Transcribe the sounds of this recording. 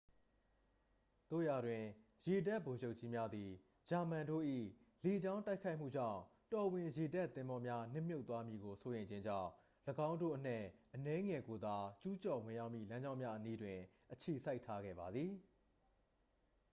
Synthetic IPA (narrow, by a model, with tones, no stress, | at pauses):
t̪o̰˦˨ja˨dwɪ̃˨ | je˨da˦ʔbo˨d͡ʑo˦ʊʔt͡ɕi˦mja˦d̪i˨ | d͡ʑa˨mã˨ndo̰˦˨ʔḭ˦˨ | le˨d͡ʑã˦ʊ̃ta˦ɪkʰa˦ɪʔm̥ṵ˦˨d͡ʑã̰˦˨ʊ̃ | tɔ˨wɪ̃˨je˨da˦˨t̪ːɪ̃˦mbɔ˦mja˦nɪ̰̃˦˨m̥jo˦ʊt̪wa˦mji˨ɡo˨so˦jẽ˨ɪ̃ɲd͡ʑɪ̃˦ɲd͡ʑã̰˦˨ʊ̃ | ləɡã˦ʊ̃ndo̰˦ʔən̥ɛ̰˦˨ʔənɛ˦ŋɛ˨ɡo˨d̪a˨t͡ɕu˦t͡ɕɔ˨wɪ̃˨ja˦ʊʔmḭ˦˨lã˦ɲd͡ʑã˦ʊ̃mja˦ʔəni˦dwɪ̃˨ʔət͡ɕʰe˨sʰa˦ɪʔtʰa˦ɡɛ̰˦˨ba˨d̪ði˨